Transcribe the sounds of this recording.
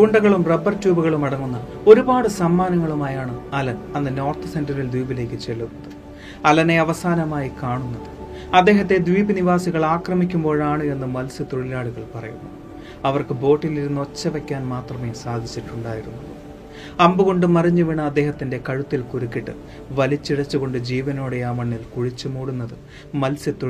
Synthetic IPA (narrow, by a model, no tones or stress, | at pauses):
kuɳɖɐɣɐɭumrebɐrtjuːbuɣɐɭumɐɽɐŋːunːɐ | o̞ɾubaːɽɨsɐmːaːnɐŋːɐɭumaːjaːɳɨɐlɐnɐnːɨno̞ːrt̪ɨse̞ndɐrild̪wiːbile̞ːkʲːɨt͡ɕe̞lːunːɐðɨ | ɐlɐne̞ɐʋɐsaːnɐmaːjikaːɳunːɐðɨ | ɐd̪ːe̞ːɦɐt̪ːe̞d̪ʋiːbɨniʋaːsiɣɐɭaːkrɐmikʲːumbo̞ːɻaːɳɨe̞nːɨmɐlsɨt̪o̞ɻilaːɭuɣɐɭpɐrɐ̰jṵnːu | ɐʋɐrkɨbo̞ːʈːiliɾunːo̞t͡ɕːɐʋekʲːaːnmaːt̪rɐme̞ːsaːd̪ʱit͡ɕːiʈːuɳɖaːjiɾunːu | ɐmbuɣo̞ɳɖɨmɐriɲːuʋiɳɐɐd̪ːe̞ːhɐt̪ːinde̞kɐɻut̪ːilkuɾukʲːiʈːɨ | ʋɐlit͡ɕːiɽɐt͡ɕːuɣo̞ɳɖɨd͡ʑiːʋɐnoːɽeaːmɐɳːilkuɻit͡ɕːɨmuːɽunːɐðɨ | mɐlsɨt̪o